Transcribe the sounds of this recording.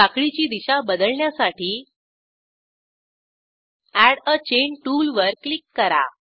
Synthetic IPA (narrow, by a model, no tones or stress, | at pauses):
akɭit͡ɕiːd̪iɕabəd̪əɭɳjasaʈiː | æɽət͡ɕenʈulʋəɾklikːəɾa̰